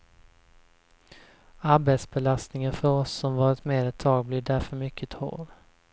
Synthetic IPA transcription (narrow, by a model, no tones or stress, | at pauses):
aɾbeːt̪sbɛlast̪nɪŋənfœɾɔsːɔmvɑːɾɪt̪meːɾɛt̪ʰːɑːɡ̚blɪd̪æɾfœɾmʏkʰːət̪ʰo̰ːɾ